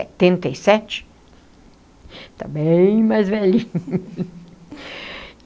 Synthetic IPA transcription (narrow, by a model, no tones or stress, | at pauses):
ɛ̰t̪ẽnt̪eisɛt͡ʃɪ̥ | t̪abẽj̃majzvɛlĩɲ